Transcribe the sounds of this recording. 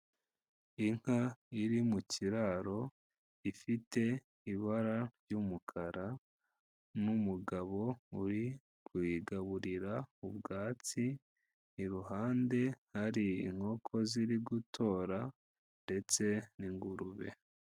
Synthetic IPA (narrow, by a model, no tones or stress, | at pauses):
iŋ̥haiɾimuciɾaɾo̞ | ifite̞ | iβaɾaɾɟumukʰaɾa | numuɡaβo̞uɾi | kwiɡaβuɾiɾaubɡaːt͡si | niɾuɦaːnde̞haɾiiŋ̥ho̞ːkʰo̞ziɾiɡutʰo̞ːɾa | nde̞t͡se̞niŋɡuɾuβe̞̰